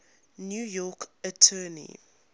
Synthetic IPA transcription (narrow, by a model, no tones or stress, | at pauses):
njuːjɔkətʰɜːnḭ